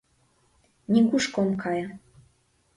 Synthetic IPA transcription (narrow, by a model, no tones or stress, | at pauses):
nʲikuʃkomkʰɑjɑ